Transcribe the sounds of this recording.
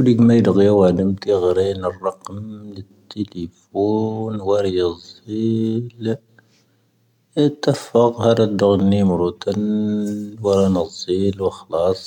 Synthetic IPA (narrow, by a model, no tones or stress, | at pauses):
wd̪iɡmæjəd̪ɣjæwæd̪əmt̪iɣɾinərˤːɑqmnət̪ːəlifunwɑɾɑjəzˤil | t̪æfəɣhæd̪ɑd̪əɣnːimɾut̪ən | wɑɾˤɑnɑzˤːilwəxlɑsˤ